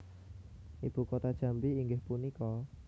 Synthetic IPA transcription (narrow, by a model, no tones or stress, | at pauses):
ʔib̥ṳkot̪ad̥ʒ̥ä̤mbiːŋɡɪhpunikɔ